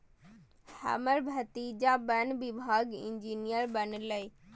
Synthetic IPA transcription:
hə̰məɾbʱɐt̪id͡ʑaːbənbibʱaːɡḭ̃ɲd͡ʑiːnijəɾbɐnləi

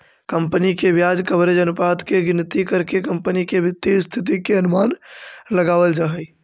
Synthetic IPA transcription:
kəmpnikebjad͡ʒkəbɾed͡ʒənpat̪keɡɪnt̪ikəɾkekəmpənikebɪt̪ːist̪ʰɪt̪̬ikeənʊmanləɡaʋəld͡ʒaɦəj

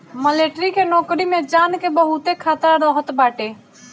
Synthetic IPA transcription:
məleːʈɾikʰenɔːkɾimẽd͡ʒaːnkebəɦut̪ekʰaːt̪ɾɾɔːɦət̪baːʈeː

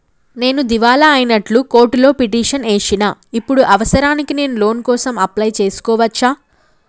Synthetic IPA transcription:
ne̞ːnud̪iʋaːlɐːjinɐʈluko̞ːɾʈlo̞ːpiʈiːʂɐneːʂinaːipːuɽuʔɐʋɐsɐɾaːnikine̞ːnulo̞ːnkɔːsɐmɐplɐjt͡ʃe̞ːsu̥kɔːʋɐt͡ʃːaː

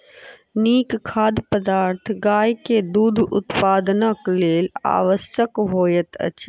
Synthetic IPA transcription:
niːkkʰːaːd̪pəd̪aːɾt̪ʰɡaːjked̪uːd̪ʱʊt̪paːd̪nakleːla̰ːʋəsjəkɦoːjət̪ə̰t͡ʃʰ

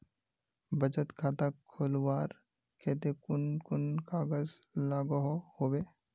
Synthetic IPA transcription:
bət͡ʃət̪kʰaːt̪akʰoːlwaːɾ | kʰeːt̪ekʊnkʊnkaːɡəzlaːɡɦohoːbeː

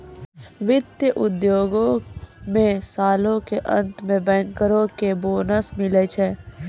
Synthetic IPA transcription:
ʋɪd̪jəʔʊd̪joːɡõmẽsaːlõkeʔə̃nt̪mẽbɛ̃ːŋkəɾõkeboːnəsmɪlet͡ʃʰɛː

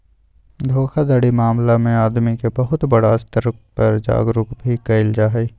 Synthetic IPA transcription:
d̪ʱoːkʰad̪ɐɽimaːmlamẽaːd̪mikebɐɦʊt̪bɐɽast̪əɾk̚pɐɾd͡ʒa̰ːɡɾʊkbʱikɐɪld͡ʒaːɦiː

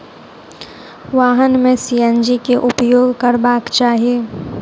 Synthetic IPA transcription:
ʋaːɦənmẽsijə̃nd͡ʒikeʔʊpjoːɡkəɾbaːkt͡ʃaːɦieː

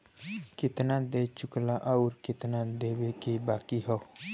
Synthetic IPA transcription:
kɪt̪naːd̪eːt͡ʃʊklaʔaʊɾkɪt̪naːd̪eːweːkebaːkiɦoː

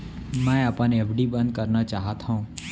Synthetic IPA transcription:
mãẽaːpãnẽɛpʰɖibə̃nd̪̚kəɾnat͡ʃaːɦat̪ʰaũː

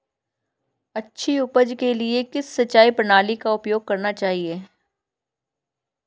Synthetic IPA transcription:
ɐtːʃʰiʊpəd͡ʒkeliekɪsːɐtːt͡ʃːaːipɐnaːlikaʊpjoːɡ̚kɐɾnat͡ʃaːɦieː

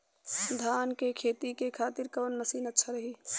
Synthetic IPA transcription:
d̪ʱaːnkekʰeːt̪ikekʰaːt̪iɾkənːəsiːnətːʃʰaɾəɦi

